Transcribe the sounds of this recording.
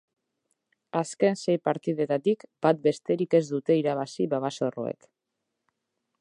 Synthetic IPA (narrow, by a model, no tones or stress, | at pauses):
aske̞nse̞jpaɾt̪iðe̞t̪at̪ikb̥at̪̚be̞st̪e̞ɾike̞zd̪ut̪e̞iɾaβ̞asiβaβaso̞ro̞̰e̞̰k